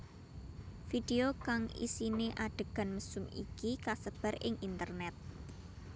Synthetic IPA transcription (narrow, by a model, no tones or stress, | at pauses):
fid̥eokaŋḭsineʔaɖ̥ə̤ɡ̥a̤nməsʊmikikasəb̥ə̤ɾɪŋʔint̪ərnɛt̪̚